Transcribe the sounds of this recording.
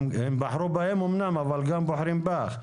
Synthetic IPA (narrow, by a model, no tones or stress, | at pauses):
ɪmbaħɾubahemumnamavalɡambʊħɾimbax